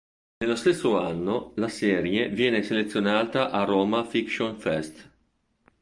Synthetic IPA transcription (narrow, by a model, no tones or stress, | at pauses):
nelːost̪esːoanːolasɛːɾjevjɛːneselet̪sːjonaːt̪aʔaɾoːmafikʃonfɛst̪